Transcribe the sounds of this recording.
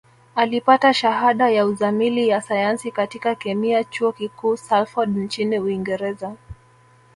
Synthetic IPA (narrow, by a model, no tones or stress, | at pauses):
alipataʃaɦaɗajauzamilijasajansikatikakɛmiat͡ʃuɔkikuːsalfɔɗnt͡ʃiniuiŋɡɛɾɛza